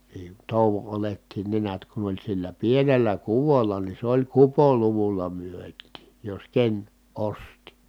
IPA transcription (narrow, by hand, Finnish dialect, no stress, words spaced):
niː toˑuʋo oletːiːn ne niæt kun olʲ silːæ pienelːæ kuʋolːɑ ni se olʲ kupoluʋulːɑ myøtˑiːj jos ken osti